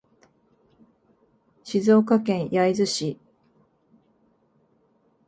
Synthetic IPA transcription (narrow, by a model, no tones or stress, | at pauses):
ɕizo̞ːkakẽ̞ɰ̃jaizɨɕi